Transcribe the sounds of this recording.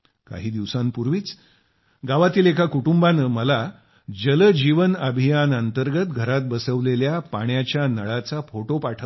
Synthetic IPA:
ka̰ɦiːd̪iʋsãmpuɾʋiːt͡s | ɡaʋat̪iːlekʰakuʈumbanəməla | d͡ʑələd͡ʑiʋənəbʱijanənt̪əɾɡət̪ɡʱəɾat̪̚bəsəʋleljapaɳ̃jat͡ɕjanəɭat͡safoʈopaʈʰə

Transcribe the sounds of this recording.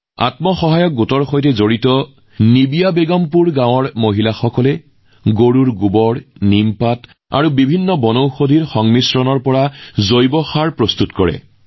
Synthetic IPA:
a̰tmɔxɔɦajɔk̚ɡutɔɹxojtɛzoɹitɔ | nibijabeɡɔmpuɹɡãw̃ɔɹmoɦilaxɔkɔlɛ | ɡoɹuɹɡubɔɹnimpat | a̰ɹubibʱinːɔbɔnowxodʱiɹxɔŋmisɹɔnɔɹpɔɹazojbɔxaɹpɹɔst̪utkɔɹɛ̰

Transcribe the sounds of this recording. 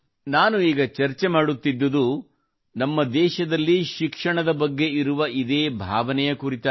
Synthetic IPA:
naːnuiːɡɐt͡ʃɐɾt͡ʃe̞maːɽut̪ːid̪ːɐd̪u | nɐmːɐd̪ɛːʃɐd̪ɐlːiʃikʂɐɳɐd̪ɐbɐɡːe̞iɾuʋɐid̪e̞ːbʱaːʋɐnɛjɐkuɾit̪a

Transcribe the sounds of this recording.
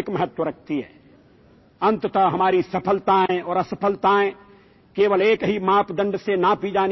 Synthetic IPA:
kmɐɦət̪wəɾɐk̚ʰt̪iɦɛ̰ː | ɐ̃nt̪ət̪aɦɐmaːɾisɐpʰəlt̪aɦɛ̃ɔːɾɐsəpʰəlt̪aɦɛ̃ː | keːʋəleːkɦimaːpd̪ə̃ɳɖsenapid͡ʒaːn

